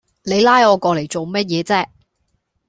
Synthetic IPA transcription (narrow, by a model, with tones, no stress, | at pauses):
ne˨˧jlaː˥jɔː˨˧kɔː˧le˨˩jt͡so˨wmɐ˥t̚jɛː˨˧t͡sɛː˥